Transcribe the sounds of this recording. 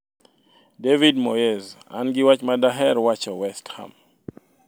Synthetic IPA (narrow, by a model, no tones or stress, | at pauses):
devidmɔjɛza̰nɡiwat͡ʃmadaɦɛɾwat͡ʃɔwɛstha̰m